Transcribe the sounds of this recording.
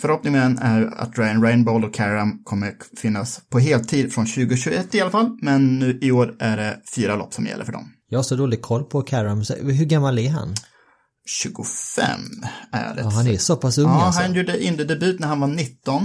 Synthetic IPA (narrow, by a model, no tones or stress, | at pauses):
fœɾhɔpnɪŋəənæɾja̰t̪ɾajanɾɛɪnbolɔkʰːæɾamkʰɔmːəɾfɪnːaspʰɔɦeːlt̪ʰiːd̪fɾɔnɕʉ̟ːɡʊɕʉːɡʊɛt̪ːɪalafalːmɛnːʉ̟ːʔɪoːɾæɖɛfyːɾalɔ̰pːsɔmjɛ̰lːə̰ɾfœɖɔ̰mjɑːɡhasɔd̪oːlɪɡ̚kʰɔlːpʰɔkʰæɾamsɛ̰ɦɵɡamːalæɾɦa̰n | ɕʉ̟ːɡʊfɛ̰mæ̰dɛ̰ɦanɛsoːpasɵŋːanjuːɖəʔɪnd̪əd̪ɛbʉ̟ːt̪næɾhanvaɳɪt̪ːɔn